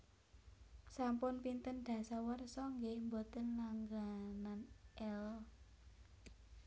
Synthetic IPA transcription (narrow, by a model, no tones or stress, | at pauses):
sampʊnpint̪ənɖ̪̥ä̤sawərsɔŋɡembot̪ənlaŋɡananʔɛl